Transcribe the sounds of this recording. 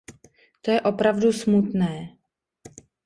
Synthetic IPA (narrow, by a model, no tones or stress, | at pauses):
t̪o̞jɛʔo̞pɾavdusmut̪nɛː